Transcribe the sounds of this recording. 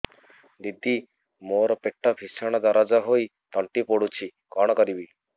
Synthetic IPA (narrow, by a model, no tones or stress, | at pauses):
d̪id̪i | moɾɔpeʈːɔbʱisɔɽ̃ɔd̪ɔɾɔd͡ʒɔɦoj | t̪ɔɳʈipoɽut͡ʃʰi | kɔɽ̃ɔkɔɾibi